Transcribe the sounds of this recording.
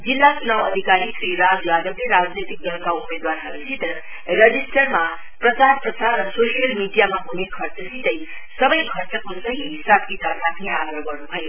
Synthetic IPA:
d͡zilːasnʌwʌd̪ʱikaɾikɾiɾad͡zbad̪ʌwleɾad͡znet̪ik̚dʌŋkaumned̪waɾaɦʌɾusʰit̪ʌ | ɾʌd͡zisʈʌrma | prʌsaɾprʌsarːʌsosijʌlmiɖijamaɦunekʰʌrt͡sʌsʰit̪ʌj | sʌbʌjkʰʌrt͡sʌkosʌɦiɦisabkisasat̪ʰiaɡɾʌɦɡʌrnubʱʌjo

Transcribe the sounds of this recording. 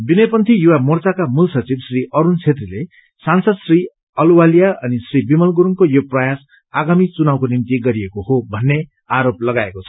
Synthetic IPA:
binʌjpʌnt̪ʰijuwamʌrt͡sakamulsʌt͡sibsriʔʌɾunt͡sʰet̪rile | sansʌd̪sri | ʌluwalijaʔʌnisribimʌlɡuɾuŋkojoprʌjas | aɡamit͡sunawkonimt̪iɡʌɾiekoɦobʱʌnːe | aɾop̚lʌɡaekot͡sʰʌ

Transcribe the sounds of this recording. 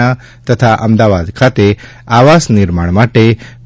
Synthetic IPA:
a | t̪ət̪ʰaʔəmd̪aʋad̪kʰat̪e | aʋasnɪɾmaɳmaʈe

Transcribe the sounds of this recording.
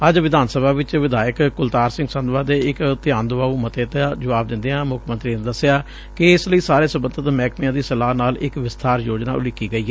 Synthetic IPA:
əd͡ʒʋɪd̪aːnsəbʱaːʋɪt͡ʃʋɪd̪aːjəkkʊlt̪aːɾsɪ̃ŋɡsə̃nd̪ʋaːd̪eːɪkt̪ɪjãːnd̪ʊʋaːumət̪eːt̪aːd͡ʒəʋaːb̚d̪ɪ̃nd̪eːãːmʊkʰmənt̪ɾiːned̪əsejaː | kɪɪsləiːsaːɾeːsəbənd̪ʱət̪mɛːkʰmiãːd̪iːsəlaːɦnaːlɪkʋɪst̪ʰaːɾjoːd͡ʒna̰ːʊ̰lɪkːiːɡəiːɦɛː

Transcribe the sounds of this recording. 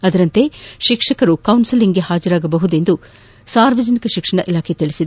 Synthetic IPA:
ɐd̪ɐɾɐnt̪e̞ʃikʂɐkɐɾukɐwnsiliŋɡeɦaːd͡ʒɐɾaːɡɐbɐɦud̪e̞nd̪u | saːɾʋɐd͡ʒɐnikɐʃikʂɐɳɐʔilaːkʰet̪iɭisid̪e

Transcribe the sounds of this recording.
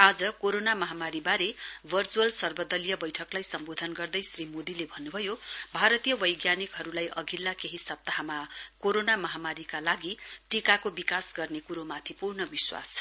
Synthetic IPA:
ad͡zʌkoɾonamʌɦamaɾibaɾebʱʌrt͡suʌlsʌrbʌd̪ʌlijʌbʌjʈʰʌklajsʌmbod̪ʱʌnɡʌrd̪ʌjsrimod̪ilebʱʌnːubʱʌjobʱaɾʌt̪ijʌbʌjɡjanikɦʌɾulajʔʌɡʱilːakeɦisʌp̚t̪aɦamakoɾonamʌɦamaɾikalaɡiʈikakobikasɡʌrnekuɾomat̪ʰipurnʌbiswa̰s

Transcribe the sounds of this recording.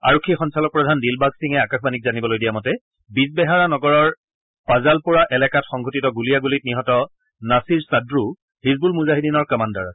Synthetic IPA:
aɹɔkʰːixɔnsalɔk̚pɹɔdʱandilbaksiŋɛakaxbanikzanibɔlojdijamɔtɛ | bisbɛɦaɹanɔɡɔɹɔɹ | pazalpɔɹaʔɛlɛkatxɔŋɡʱotitɔɡuliaɡulit̚niɦɔtɔ | nasiɹsadɹu | hiz̬bulmuzaɦidinɔɹkamandaɹasɛ̥

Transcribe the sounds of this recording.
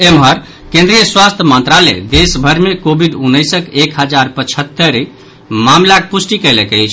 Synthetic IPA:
emɦəɾ | kẽnd̪ɾijəswast̪ʰjəmənt̪ɾalɛ̰d̪esbʱəɾmekobʱiɖunːəjsəkekɦəd͡ʒaɾpət͡ʃʰət̪ːəɾ | mamlakepusʈikəjlɛkəjt͡ʃʰ

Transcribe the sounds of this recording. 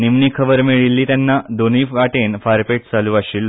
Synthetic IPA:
nimnikʰəʋəɾmeɭilːiːt̪anːad̪oniːʋaʈenfaɾpeʈ̚t͡saluːaɕiːlː

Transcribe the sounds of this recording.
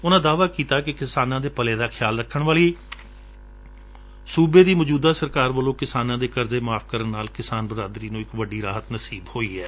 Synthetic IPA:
ʊnãːd̪aːʋaːkiːt̪aːkɪkɪsaːnãːd̪eːpəleːd̪aːkʰɪjaːlɾəkʰːəɳʋaːliː | suːbeːd̪iːmɔd͡ʒuːd̪aːsəɾkaːɾʋəlõːkɪsaːnãːd̪eːkəɾzeːmaːpʰkəɾənːaːlkɪsaːnbəɾaːd̪ɾiːnũːɪkʋəɖiːɾaːɦət̪nəsiːbhoːiːɛː

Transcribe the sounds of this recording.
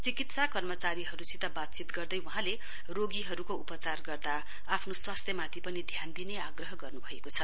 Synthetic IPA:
t͡sikit̪sakʌrmʌt͡saɾiɦʌɾusit̪ʌbat̪̚t͡sit̪ɡʌrd̪ʌjwʌɦãle | roɡiɦʌɾukoupʌt͡sarɡʌrd̪aː | pʰnoswast̪ʰjʌmat̪ʰipʌnid̪ʱjand̪ineaɡrʌɦʌɡʌrnubʱʌekot͡sʰʌ

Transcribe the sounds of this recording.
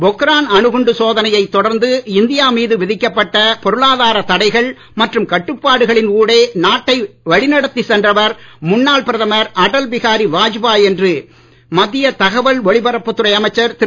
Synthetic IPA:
bɔkɾaːnɐɳɯɣʊɳɖɯsoːðɐnɐjɐɪt̪ːɔɽɐɾnd̪ɯɪnd̪ɪjaːmiːðɯʋɪðɪkːɐpːɐʈːɐpɔɾɯɭaːðaːɾɐt̪ɐɽɐɪɣɐɭ | mɐʈrɯmkɐʈːɯpːaːɽɯɣɐɭɪnkuːɽeːnaːʈːɐɪʋɐɻɪnɐɽɐt̪ːisɛndrɐʋɐɾmʊnːaːɭpɪɾɐðɐmɐɾɐɽɐlʋɪɣaːɾiʋaːd͡ʒbaːjɛndrɯ | mɐðːɪjɐt̪ɐɣɐʋɐlʋɔɭɪbɐɾɐpːɯt̪ːɯɾɐɪɐmɐɪt͡ʃːɐɾt̪ɪ

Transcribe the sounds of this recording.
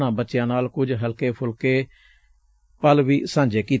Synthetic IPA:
nãːbətːʃjãːnaːlkʊd͡ʒɦəlkeːpʰʊlkeː | pəlʋiːsãːɲd͡ʒeːkiː

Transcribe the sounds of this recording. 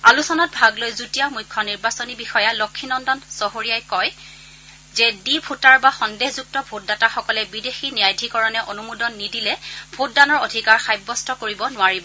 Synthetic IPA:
alusɔnɔt̚bʱaɡlojzutijamujkʰːɔniɹbasonibixɔjalokʰːinɔndɔnsɔɦoɹijajkɔj | zɛdibʱutaɹbaxɔndehzuk̚tɔbʱot̚dataxɔkɔlɛbidexinijajdʱikɔɹɔnɛʔonumudɔnːidilɛbʱot̚danɔɹodʱikaɹxajbːɔstɔkoɹibɔnʊaɹibɔ

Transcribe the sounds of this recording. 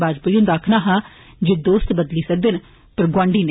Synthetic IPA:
baːd͡ʒpəjũnd̪aːkʰnaːɦãː | d͡ʒeːd̪oːst̪bəd̪liːsək̚d̪en | pəɾɡwãːɳɖiːne

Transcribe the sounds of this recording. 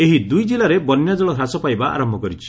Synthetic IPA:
eɦid̪ujd͡ʒilaɾebɔnjad͡ʒɔɭɔɦasɔpajbaa̰ɾɔmbʱɔkɔɾit͡ʃʰi̥

